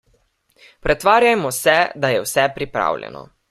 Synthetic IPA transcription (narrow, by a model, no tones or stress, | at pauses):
pɾɛt̪ʋaːɾjajmɔsɛd̪ajɛwsɛpɾipɾa̰ːwlʲɛ̰nɔ̰